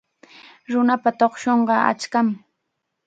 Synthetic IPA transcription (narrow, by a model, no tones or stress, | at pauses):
ɾʊnapat̪oχʃoɴɢɑa̰t͡ʃkam